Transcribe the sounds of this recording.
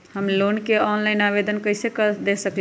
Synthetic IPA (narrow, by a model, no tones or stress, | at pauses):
həmlonkeɔnlaɪnabed̪ənkəɪsekəd̪esəkl